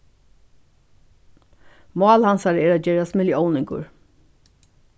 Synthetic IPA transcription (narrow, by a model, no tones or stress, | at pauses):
mɑːlhansaɹəɛːɾad͡ʒɛːɾasmɪljɔwnɪŋkʊ̰ɹ